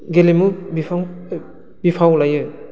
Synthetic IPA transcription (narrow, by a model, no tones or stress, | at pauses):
ɡelemubi | bipʰawlajɯ